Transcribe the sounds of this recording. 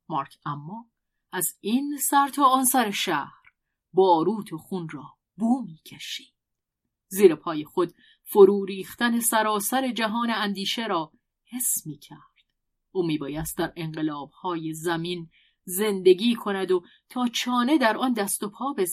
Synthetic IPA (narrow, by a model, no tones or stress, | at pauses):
mɒːɾkʰæmːɒː | ʔæzinsæɾt̪ʰɒːnsæɾe̞ʃæhɾ | bɒːɾuːt̪ʰoχunrɒː | buːmiːcʰeʃi̥ːd̪̥ | ziːɾepʰɒːjexo̞d̪̥ | foɾuːɾiːxt̪æne̞sæɾɒːsæɾe̞d͡ʒæɦɒːne̞ænd̪iːʃe̞ɾɒː | he̞smiːcʰæɾd̪̥ | ʔuːmiːbɒːjæst̪̚d̪æɾe̞ŋɢe̞lɒːb̥̚hɒːje̞zæmin | ze̞nd̪e̞ɡiːkʰo̞næd̪o̞ | t̪ʰɒːt͡ʃʰɒːne̞d̪æɾʔɒːnd̪æst̪o̞pʰɒːbe